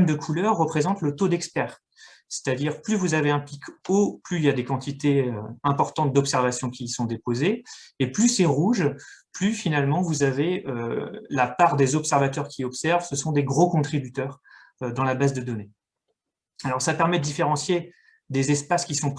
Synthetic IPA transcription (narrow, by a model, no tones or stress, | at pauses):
md̪əkʰulœʁːəpχezɑ̃t̪lət̪od̪ɛkspɛːʁ | se̥t̪ad̪iʁplyvuzaveɛ̃plikoplyiljad̪ekɑ̃t̪it̪eøɛ̃pɔʁt̪ɑ̃t̪̚d̪ɔpsɛʁvasjɔ̃kʲisɔ̃d̪epozeːplysɛʁuʒplyfinalmɑ̃vuzaveølapaʁd̪ezɔpsɛʁvat̪œʁkʲiɔpsɛʁvsəsɔ̃d̪eɡʁokɔ̃t̪χibyt̪œːʁ | ød̪ɑ̃labazd̪əd̪ɔne | alɔʁsapɛʁmɛd̪əd̪ifeʁɑ̃sje | d̪ezɛspaskʲisɔ̃